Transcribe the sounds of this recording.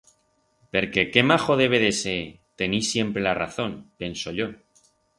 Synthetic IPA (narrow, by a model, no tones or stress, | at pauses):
pe̞ɾke̞ke̞maxo̞ðe̞β̞e̞ðese | t̪e̞nisje̞mpɾe̞lara̰θo̞npe̞nso̞ʎo̞